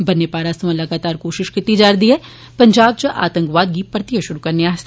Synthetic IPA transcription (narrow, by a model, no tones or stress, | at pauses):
bɐnːepaːɾaːsɐmɐ̃lɐɡaːt̪aːɾkoːʃɪʃkɪt̪ːid͡ʒaːɾd̪iɦɛː | pɐ̃ɲd͡ʒaːbt͡ʃɐʔa̰ːt̪ə̃ŋkʋaːd̪̚ɡipɐɾt̪ijəʃʊɾukɐɾneaːs